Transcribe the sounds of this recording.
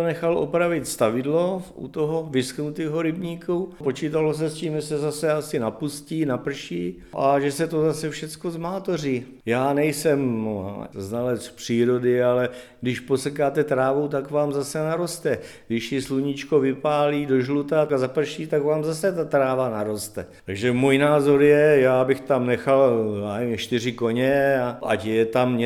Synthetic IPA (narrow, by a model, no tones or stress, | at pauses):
nɛxalʔo̰pɾavɪt̪st̪avɪdlo̞ʔṵt̪oɦovɪsknut̪iːɦoɾɪbɲiːkupo̞t͡ʃiːt̪alos̬ɛsciːmʒɛsɛzasɛasɪnapusciːnapr̩ʃiː | ʔaʒɛsɛt̪o̞zasɛfʃɛt͡sko̞zmaːt̪oriː | jaːnɛjsɛm | znalɛspr̥iːɾo̞dɪalɛɡdɪʃposɛkaːt̪ɛt̪ɾaːvowt̪̬akvaːmzasɛnaɾo̞st̪ɛɡdɪʃtɪsluɲɪt͡ʃkovɪpaːliːdoʒlut̪azapr̩ʃiːt̪akvaːmzasɛt̪at̪ɾaːvanaɾo̞st̪ɛt̪aɡʒɛmuːjnaːzo̞ɾjɛjaːbɪxt̪amnɛxalaːɲɛʃt̪ɪrɪko̞ɲɛaʔacjjɛt̪amɲɛ